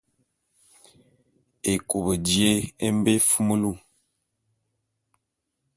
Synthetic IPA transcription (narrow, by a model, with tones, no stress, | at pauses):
e˨ko˨bə˨dje˦e˦m˦be˦fu˦mə˦lu˦˨